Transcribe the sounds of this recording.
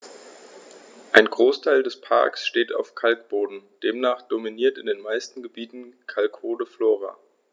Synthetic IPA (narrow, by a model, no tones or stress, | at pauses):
ʔaɪnɡʁoːstʰaɪldɛspʰa̰ɐksʃteːta̰ʊfkʰalkb̥oːdn̩d̥eːmnaːχd̥ominiːɐtɪndeːnmaɪstn̩ɡəbiːtn̩kʰalkʰoːdəfloːʁa̰